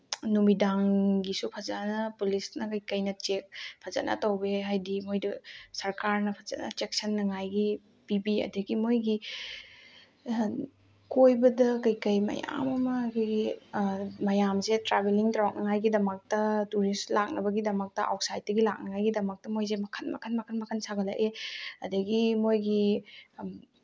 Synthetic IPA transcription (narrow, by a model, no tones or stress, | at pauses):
numidaŋɡisupʰɐzanɐpulisnɐkɐjkɐjnɐt͡ʃek̚pʰɐzɐ̰nɐ̰tɐwbeɦajdimojdɐsɐɾkaɾnɐpʰɐzɐ̰nɐ̰t͡ʃek̚sɐnːɐŋajɡi | pibiɐ̰dɐɡimojɡi | kojbɐdɐkɐjkɐjmɐ̰ja̰mɐmɐkʰojɡi | mɐjamzetɾabeliŋtɾawk̚nɐŋajɡidɐmɐk̚tɐtuɾislak̚nɐbɐɡidɐmɐk̚tɐʔa̰w̚sajt̚dɐɡilak̚nɐŋajɡidɐmɐk̚tɐmojzemɐkʰɐnmɐ̰kʰɐnmɐkʰɐnmɐkʰɐnsaɡɐla̰ʔeɐdɐɡimojɡi